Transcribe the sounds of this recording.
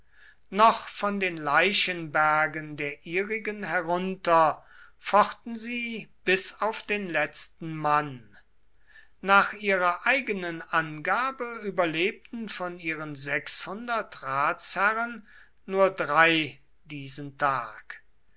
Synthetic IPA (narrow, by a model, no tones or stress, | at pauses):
nɔχfɔndeːnlaɪʃənbæɐɡəndeːɐʔiːʁɪɡənɦɛʁʊntɐfɔχtn̩ziːb̥ɪsaʊfd̥eːnlɛt͡stn̩man | naːχʔiːʁɐʔaɪɡənənʔanɡaːbəyːbɐleːp̚tn̩fɔniːʁənzɛkshʊndɐtʁaːtshæʁənː | uːɐdʁaɪ | d̥iːzəntʰaːk